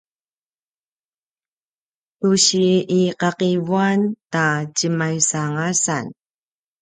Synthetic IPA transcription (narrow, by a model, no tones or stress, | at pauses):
tuɕiiqɑqivuantacəmajsaŋasan